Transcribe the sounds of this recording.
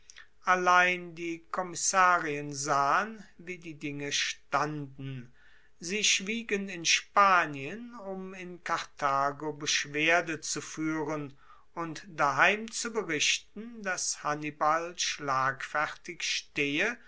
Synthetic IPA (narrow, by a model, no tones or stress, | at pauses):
ʔalaɪndiːkʰɔmɪsaːʁiənzaːənviːdiːdɪŋəʃtandn̩ | ziːʃv̥iːɡənɪnʃpaːnjənʊmɪnkʰaʁtʰaːɡobəʃv̥eɐdət͡sufyːʁən | ʊntd̥aɦaɪmt͡subəʁɪʃtn̩dashanibalʃlaːkfɛʁtɪkʃteːə